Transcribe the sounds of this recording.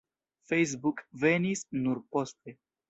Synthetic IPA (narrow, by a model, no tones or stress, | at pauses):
fejs̬bukvenisnuɾpo̞st̪e̞